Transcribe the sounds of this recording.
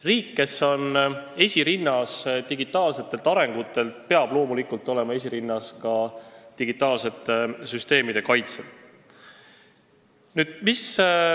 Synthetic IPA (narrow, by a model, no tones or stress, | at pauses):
riːkːe̞so̞ne̞sʲiɾinːɑst̪iɡit̪ːˑɑːlse̞t̪ːˑe̞lt̪ɑɾe̞ŋɡ̥ut̪ːˑe̞lt̪pe̞ɑb̥lo̞ːmulikult̪ːˑo̞lemɑe̞s̬ʲiɾinːɑskɑt̪iɡit̪ːˑɑːlse̞t̪ːe̞syst̪e̞ːmid̪̥e̞kɑjt̪selt̪ | nyːd̪̥̚mis